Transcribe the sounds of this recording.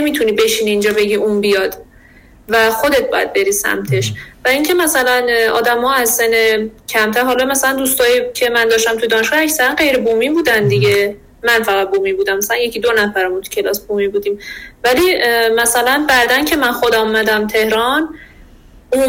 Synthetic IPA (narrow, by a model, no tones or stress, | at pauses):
nemiːt̪ʰuniːbe̞ʃiːniːnd͡ʒɒːbe̞ɟiʔuːnbijɒːd̪ | væxo̞d̪et̪̚bɒ̰ːjæ̰d̪̚be̞ɾiːsæ̰mt̪ʰe̞ʃvæiŋcʰe̞mæsælænɒ̰ːd̪æmhɒːæzsenecʰæmt̪ʰæɾɦɒːlɒmæsælænd̪uːst̪ɒːjicʰe̞mænd̪ɒːʃt̪æmt̪ʰujed̪ɒːneʃɡɒæcsæɾænɢe̞jɾebuːmiːbuːd̪ænd̪iɟe̞ | mænfæɣæd̪̚boːmibuːd̪æmːæsælænje̞cʰid̪o̞næfæɾæmunt̪ʰu̥cʰe̞lɒ̰ːsbumibuːd̪iːmvælimæsælænbæʔd̪æncʰe̞mænxod̪æmomæd̪æmt̪ʰe̞hɾɒn | u